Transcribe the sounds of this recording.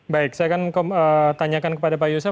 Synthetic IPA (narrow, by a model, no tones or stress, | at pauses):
baɪk̚sajakankəəːt̪aɲakankə̥padapajosa